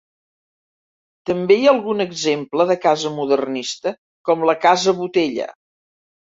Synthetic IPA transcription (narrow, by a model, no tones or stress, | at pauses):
t̪əmbejaəlˠɣunəɡzempləðəkazəmuðərnist̪ə | kɔmləkazəβut̪eʎə̰